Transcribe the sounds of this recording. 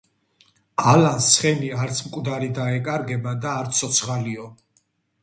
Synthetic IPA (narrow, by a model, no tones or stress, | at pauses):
alansχɛniaɾt̪sʰmkʼwd̪aɾid̪aɛkʼaɾɡɛbad̪aːɾt̪sʰɔt̪sʰχaliɔ